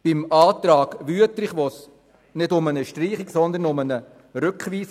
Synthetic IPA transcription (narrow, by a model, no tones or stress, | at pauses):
b̥ɪmɑːt̪ɾɑːɡ̥ʋyətlɪχʋos | nɪdʊmənəʃtriːχiksɔnd̪ənʊmənə | ɾʉkχʋiːs